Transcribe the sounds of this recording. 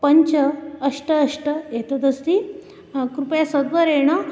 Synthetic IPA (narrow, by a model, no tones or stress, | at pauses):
pɐɲt͡ɕəːʂʈəːʂʈəjet̪at̪ɐst̪i | kɾupjasəd̪ʋəɾeɳ̃ɐ